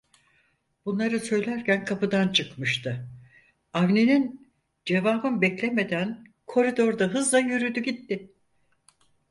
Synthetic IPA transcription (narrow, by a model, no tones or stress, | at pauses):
b̥unlˠaɾɯsø̞jlʲæɾcænkʰapɯd̪ant͡ʃʰɯkmɯʃt̪ʰɯ | avne̞nin | d͡ʒe̞vaːbɯnbɛclʲe̞me̞d̪æn | kʰo̞ɾid̪o̞ɾd̪aɦɯzlˠajyɾyd̪yɟit̪ːɪ